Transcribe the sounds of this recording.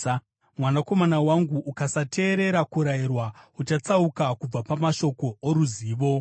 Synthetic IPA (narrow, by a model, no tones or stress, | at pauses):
mwanako̞manawaŋɡuukasatʰe̞ːɾe̞ɾakuɾairwaut͡ʃat͡saukakub͡vapamaʃo̞ko̞ːɾuziːʋo̞